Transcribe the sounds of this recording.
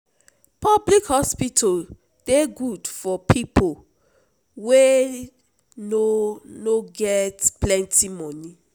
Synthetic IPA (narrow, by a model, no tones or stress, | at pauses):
pɔblikhɔspitʰal | d̥eɡudfɔpʰipʰo | we | nonoɡɛtplɛ̃ntʰimɔ̃ni